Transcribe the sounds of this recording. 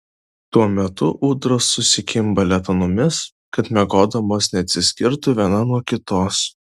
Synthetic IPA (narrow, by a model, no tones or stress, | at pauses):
t̪uɔmʲɛt̪ʊʔuːd̪ɾoːsːʊsʲɪkʲɪmbɐlʲɛt̪ɐnʊmʲɪs | kɐt̪mʲɛɡoːd̪ɐmoːsnʲɛɐt̪ʲsʲɪsʲkʲɪɾt̪ʊʋʲiɛnɐnuɔkʲɪt̪oːs